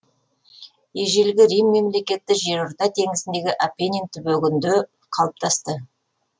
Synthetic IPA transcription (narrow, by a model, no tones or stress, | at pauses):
jeʒe̞lɡʲɪɾijmːe̞mle̞kʲe̞t̪ːɪʒe̞ɾʊɾt̪ɑt̪ʰe̞ŋɪzɪnd̪e̞ɡʲɪʔapʲenʲent̪ɪbɵɡʲɪnd̪ɪ | qʰɑlˠəp̚t̪ʰɑst̪ə